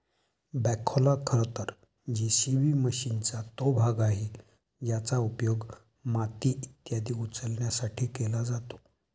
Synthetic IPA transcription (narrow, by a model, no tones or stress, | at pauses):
bɛkʰolakʰəɾt̪əɾ | d͡ʑisibiːməɕint͡sat̪obʱaɡaɦi | jat͡saupjoɡ | mat̪iit̪jad̪iːut͡səlɳjasaʈʰiːkelad͡zat̪o̥